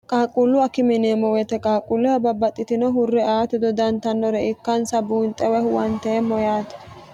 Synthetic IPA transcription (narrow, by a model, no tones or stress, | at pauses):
kʼaːkʼulːʊɐkɪmɪneːmɔwɛt̪ɛkʼaːkʼulːʊhɐbɐbɐt̪ʼːɪt̪ɪnɔɦʊrːɛaːt̪ɛd̪ɔd̪ɐnt̪ɐnːɔɾɛɪkːɐnsɐbuːnt̪ʼːɛwɛhwɐnt̪ɛːmːɔjaːt̪ɐ̥